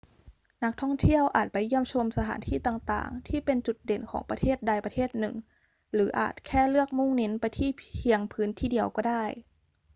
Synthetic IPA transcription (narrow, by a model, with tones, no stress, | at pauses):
na˦˥k̚t̪ʰɔ˥˩ŋt̪ʰi˥˩əwʔa̰ː˨˩t̪̚pa˧jːi˥˩əmt͡ɕʰo˧msa˧t̪ʰa̰ː˩˦nt̪ʰiː˥˩t̪aː˨˩ŋt̪a̰ː˨˩ŋt̪ʰiː˥˩pe˧nt͡ɕu˨˩t̪̚de˨˩˦nkʰɔ̰ː˩˦ŋpa˧t̪ʰeː˥˩t̪̚da˧jpa˧t̪ʰeː˥˩t̪̚nɯ˨˩ŋ | lɯː˩˦ʔa̰ː˨˩t̪̚kʰɛː˥˩lɯ˥˩ək̚mu˥˩ŋne˦˥npa˧jt̪ʰiː˥˩i˧əŋpʰɯː˦˥nt̪ʰiː˧˩di˧əwkɔː˧˩daː˥˩j